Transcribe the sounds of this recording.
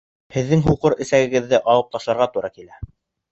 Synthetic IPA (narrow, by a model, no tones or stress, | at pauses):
hɘ̆ðːɘŋɦuqɤɾɘ̆sæɡɘ̆ɡɘ̆ðːɘʔɑlˠɤp̚t̪ɑʃlˠɑɾʁɑt̪uɾɑkilæ